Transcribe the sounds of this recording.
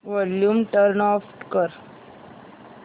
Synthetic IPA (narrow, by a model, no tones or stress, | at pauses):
ʋɔljuːmʈəɾnɔfʈkəɾ